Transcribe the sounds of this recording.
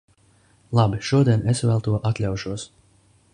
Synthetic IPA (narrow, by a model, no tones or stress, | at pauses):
lˠabiʃuɔd̪iɛnesvælˠt̪uɔʔat̪lʲawʃuɔs